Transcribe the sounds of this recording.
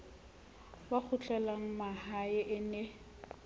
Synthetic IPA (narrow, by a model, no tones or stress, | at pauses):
bak͡xʰʊt͡ɬʼɛlaŋ̩mahaɪʔɪne